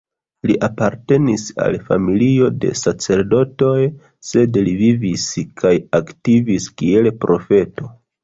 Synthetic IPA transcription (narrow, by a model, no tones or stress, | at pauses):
liʔapaɾte̞nisa̰lfa̰milio̞de̞̰sat͡se̞ɾdo̞to̞j | se̞dliviviskʰajaktiviskie̞lpɾʔo̞fe̞to̞